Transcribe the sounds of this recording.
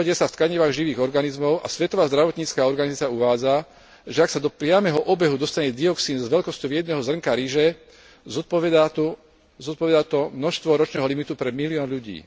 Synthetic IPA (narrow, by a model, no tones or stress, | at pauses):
ɔɟɛsaft̪kaɲiʋaːɣʒiʋiːɣɔɾɡanizmɔʊʔa̰sʋɛt̪ɔʋaːzd̪ɾaʋɔt̪ɲiːt͡skaːɔɾɡanizat͡sɪjauʋaːd͡za | ʒɛaksad̪ɔpɾɪamɛɦɔʔɔbɛɦud̪ɔst̪aɲɛd̪iɔksiːnzʋɛʎkɔscɔʊjɛd̪nɛɦɔzr̩ŋkaɾiʒɛ | zɔpɔʋɛd̪at̪u | zɔt̪̚pɔʋɛd̪aːt̪ɔmnɔʃst̪ʋɔɾɔt͡ʃnɛːɦɔlimit̪upɾɛmiliɔːnʎuɟḭː